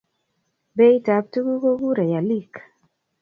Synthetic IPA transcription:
be˦i˦ta˨p̚tu˦ɡu˦ɡo˦ɡu˦ɾa˨ja˨li˦˨k

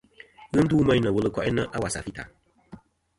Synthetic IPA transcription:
ɣɨ˦n̩˦duː˦ma˦jnə˨wɨ˦lɨ˨kɔ˨ʔɛ˦nə˦ʔa˦wa˨sa̰˨fi˦ta̰˨

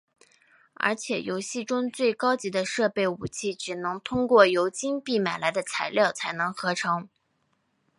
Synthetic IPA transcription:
ə̰˧˥t͡ɕʰjɛ˨˩jo˧˥ʊɕi˥˩ʈ͡ʂʊ˥ŋt͡swe˥˩ɪkɑ˥ʊt͡ɕi˧˥d̪ə˧ʂɤ˥˧pe˥˩ɪu˨˩t͡ɕʰi˥˩ʈ͡ʂɻ̩˨˩nɤ˧˥ŋt̪ʰʊ˥ŋkwɔ˥˩jo˧˥ʊt͡ɕi˥npi˥˩ma˨˩ɪla˧˥ɪd̪ə˧t͡sʰa˧˥ɪljɑ˥˩ʊt͡sʰa˧˥ɪnɤ˧˥ŋxɤ˧˥ʈ͡ʂʰɤ˧˥ŋ

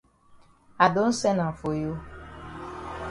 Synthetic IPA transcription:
a˨do˦n̩˦sɛ˦nã˨fo˨jo˦

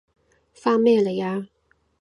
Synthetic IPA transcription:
fa˥mɛ˥˩lə˨ja˥˦

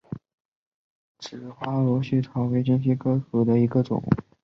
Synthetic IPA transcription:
ʈ͡ʂɻ̩˨˩xwa˥lɔ˧˥ɕy˥˩ʈ͡ʂʰɑ˧˥ʊwe˧˥ɪt͡ɕi˥nɕ̬i˥kʰɤ˥xɤ˧˥d̪ə˧i˧˥ɡə˧ʈ͡ʂʊ̰˨˩˦ŋ

